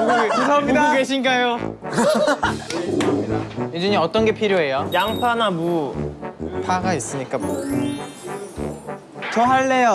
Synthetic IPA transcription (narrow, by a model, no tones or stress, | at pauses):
ekusʰʌmɲidaokeɕ̬ʰinɡajo | idajed͡ʑuɲiʌt͈ʌnɡe̞pʰiɾjoɦe̞jojaŋsʰanamu | pʰaɡais͈ɯɲik͈amo | t͡ɕʌɦaɭːe̞jo